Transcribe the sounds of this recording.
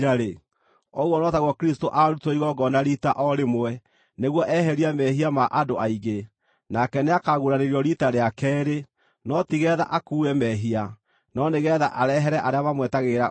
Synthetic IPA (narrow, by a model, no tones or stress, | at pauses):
ɾaɾe | ɔɣwɔnɔtaɣwɔkɾistoʔaɾutoiɣɔɡɔnaɾitaʔɔɾemoɛ | neɣwɔʔɛɦɛɾiamɛɦiamaʔadoʔaiɣɡe | nakɛneakaɣuɾaneɾjɔɾitaɾeakɛɾe | nɔtiɣɛða̰ʔakuːɛmɛɦia | nɔneɣɛða̰ʔaɾɛɦɛɾɛʔaɾeaβamwɛtaɣeɾa